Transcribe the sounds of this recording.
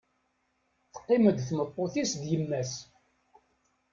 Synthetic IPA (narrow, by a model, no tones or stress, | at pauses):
θə̥qːɪməd̪θmət̪ˤːoθisd̪jəmːæs